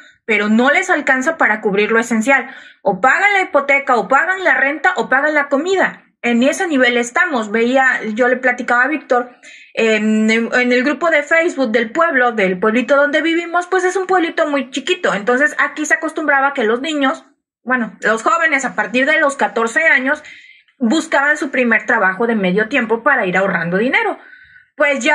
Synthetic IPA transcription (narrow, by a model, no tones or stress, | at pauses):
pe̞ɾo̞no̞le̞salkansapaɾakuβɾiɾlo̞e̞se̞nsjalo̞paɣanlaipo̞t̪e̞kaopaɣanlare̞nt̪aʔo̞paɣanlako̞miða | e̞ne̞seniβe̞le̞st̪amo̞sβe̞iaʝo̞le̞plat̪ikaβaβik̚t̪o̞ɾ | enene̞lɣɾupo̞ðe̞fejzβuk̚d̪e̞lpwe̞βlo̞ðe̞lpwe̞βlit̪o̞ðo̞nd̪e̞βiβimo̞spwe̞se̞sumpwe̞βlit̪o̞mujt͡ʃikit̪o̞e̞nt̪o̞ns̬e̞sakiseakost̪umbɾaβake̞lo̞znĩɲo̞s | bwe̞no̞lo̞sxo̞βe̞ne̞sapaɾt̪iɾðe̞lo̞skat̪o̞ɾse̞aɲo̞s | buskaβansupɾime̞ɾt̪ɾaβaxo̞ðe̞me̞ðjo̞t̪je̞mpo̞paɾaiɾaorand̪o̞ðine̞ɾo̞pwe̞sʝa